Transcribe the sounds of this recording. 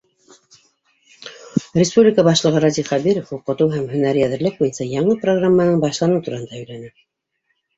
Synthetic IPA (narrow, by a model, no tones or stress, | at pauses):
ɪspublʲɪkəbɑʃlˠɤ̆ʁɤɾɑd̪ʲiχæβiɾofhuqɤ̆t̪ɤwɦæmhɵ̆næɾɘjæðɘ̆ɾlɘk̚bujɤnsɑjɑɴɤproɡramːɑnɤɴbɑʃlˠɑnɤwt̪uɾɑhɤnd̪ɑɵ̆jlænɘ